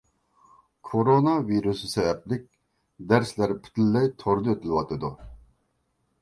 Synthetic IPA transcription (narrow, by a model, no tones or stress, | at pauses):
kʰoɾonɑviɾusɨsɛvɛplɪk̚ʲ | d̪æɾslæɾpʰy̥t̪ʰlːɛjt̪ʰoɾd̪ɨøt̪ʰɪlɪwɑt̪ʰɨd̪u